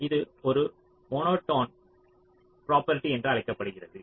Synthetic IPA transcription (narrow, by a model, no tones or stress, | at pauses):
ɪðɯɔɾɯ | mɔːnoːʈːoːn | pɾoːpɐɾɪʈːiɛndrɯɐlɪkːɐpːɐɽɯɣɪrɐðɯ